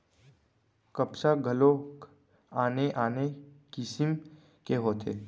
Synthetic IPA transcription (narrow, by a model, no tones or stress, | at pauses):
kəpsaɡʱɐlo | aːneʔaːnekɪsm | keɦoːt̪ʰḛː